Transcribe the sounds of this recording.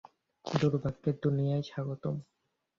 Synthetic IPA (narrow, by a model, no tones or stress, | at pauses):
d̪uɾbʱaɡːeɾd̪unijajʃaɡot̪om